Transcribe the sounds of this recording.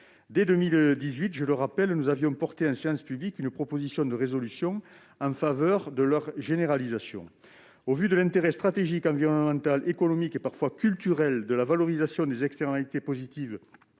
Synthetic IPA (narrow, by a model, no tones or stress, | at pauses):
d̪ɛd̪ømild̪izɥit̪ʒələʁapɛlnuzavjɔ̃pɔʁt̪eɑ̃seɑ̃spyblikynəpχɔpozisjɔ̃d̪əʁezɔlysjɔ̃ | ɑ̃favœʁd̪əlœʁʒeneʁalizasjɔ̰̃ | ovyd̪əlɛ̃nt̪eʁɛst̪χat̪eʒikɑ̃viʁɔnəmɑ̃nt̪alʔekɔnɔmikepaʁfwakʲylt̪yʁɛld̪əlavalɔʁizasjɔ̃d̪ezɛkst̪ɛʁnalit̪epozit̪iv